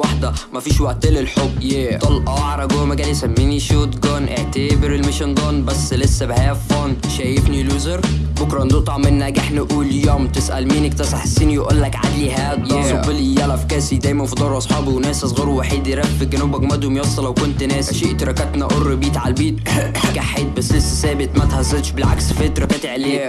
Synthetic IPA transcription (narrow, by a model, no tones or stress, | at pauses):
waħd̪æmæfiːʃwæʔt̪elelħobːet̪ˤɑlʔɑʕɾˤɑɡowmæɡæːljsæmːiːniʃot̪ɡɑnʔeʕt̪æːbeɾelmeʃend̪ˤɑːnbæsːlesːæbhæːfænʃæjefniluːzeɾ | bokɾˤɑʔnd̪uːt̪ˤɑʕmɪnːæɡaħnæʔuːljomt̪ɪsʔæ̰lmiːnʔɪkt̪ɑsˤɑħsːiniwʔulːækʕa̰d̪liɦæːd̪jˤbɪlijælʔæfkæːsid̪æːjmænfid̪ˤɑːɾˤʔɑsˤħɑːbiwnæːsʔɑsˤɣɑːɾˤwaħiːd̪ɾæfeɡænuːbæɡmæd̪umjɑsˤːɑlæwkʊnt̪næːsʃiʔt̪ɾɑkæt̪næʔorːbiːt̪ʕalbiːt̪̚ | ɡaħeːd̪̚bæsːlesːæsæːbɪt̪mæt̪hæzːælʃbɪlʕa̰ksfet̪ɾˤɑkæt̪ʕleː